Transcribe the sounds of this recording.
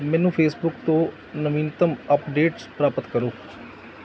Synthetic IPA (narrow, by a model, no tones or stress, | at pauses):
mɛ̃ːnũːpʰeːsbʊkt̪õː | nəʋiːnt̪əməpɖeːʈspɾaːpət̪kəɾoː